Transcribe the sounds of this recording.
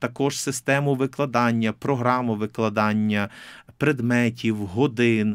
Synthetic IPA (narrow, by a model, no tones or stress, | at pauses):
t̪ɐkɔʒsɪst̪ɛmʊʋɪklˠɐd̪ɑnʲːɐpɾɔɦɾɑmʊʋɪklˠɐd̪ɑnʲːɐpɾɛd̪mɛtʲiwɦɔd̪ɪn